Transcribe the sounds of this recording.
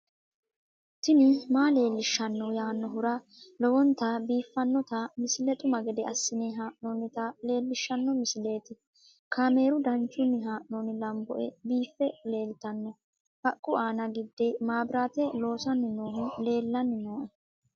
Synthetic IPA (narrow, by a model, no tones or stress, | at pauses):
t̪ɪnɪmaːle̞ːlːɪʃːɐnːɔjaːnːɔɦʊɾɐ | lɔwɔnt̪ɐbiːfːɐnːɔt̪ɐmɪsɪlɛt̪ʼʊmɐɡɛd̪ɛɐsːɪnɪɦaːʔnɔnːɪt̪ɐle̞ːlːɪʃːɐnːɔmɪsɪleːt̪ɪ | kʰaːme̞ːɾʊd̪ɐnt͡ʃːʊnːɪɦaːʔnoːnɪlɐmbɔʔɛbiːfːɛle̞ːlɪt̪ɐnːɔ | hɐkʼːʊaːnɐɡɪd̪ːɪmaːbɪɾaːt̪ɛlo̞ːsɐnːɪnoːhʊle̞ːlːɐnːɪnoːʔɛ